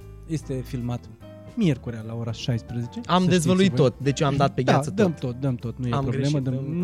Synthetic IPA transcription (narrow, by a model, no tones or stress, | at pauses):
je̞st̪e̞filmat̪ | mje̞rkuɾealaoɾaʃajspɾezet͡ʃeamd̪e̞zvəluit̪ːo̞t̪d̪e̞t͡ʃoamd̪at̪̚peɡʲj̪asəd̪əmt̪ot̪̚d̪əmt̪ot̪nujeampɾoɡeleməd̪əm